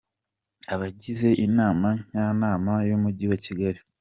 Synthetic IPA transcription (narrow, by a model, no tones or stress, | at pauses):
aβaɟize̞ʔinaːmaɲ̥aːnaːmajumuɟiwaciɡaɾi